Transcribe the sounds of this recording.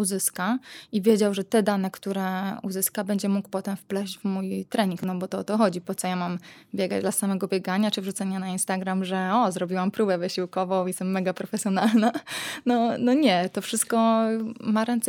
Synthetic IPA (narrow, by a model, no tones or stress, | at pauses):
uzɘskaivʲjed͡ʑawʐɛt̪ɛd̪anɛkt̪uɾɛṵzɘskabɛɲd͡ʑɛmukpɔt̪ɛmfplɛʑt͡ɕvmujt̪ɾɛɲiŋknɔbɔt̪ɔɔt̪ɔxɔd͡ʑipɔt̪sɔjamambʲjɛɡa̰d͡ʑd̪lasamɛɡɔbʲjɛɡaɲat͡ʂɘvʐut̪sɛɲanainst̪aɡɾamʐɛɔzɾɔbʲiwampɾubɛvɘɕiwkɔvɔ̃w̃isɛmːɛɡapɾɔfɛsʲjɔnalnanɔnɔɲɛt̪ɔfʂɘst̪̚kɔmaɾɛnt̪s